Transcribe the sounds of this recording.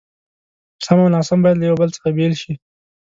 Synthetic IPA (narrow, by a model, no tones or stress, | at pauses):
samawnɑsambɑjad̪ləjawbəlt͡sə̥xabelʃi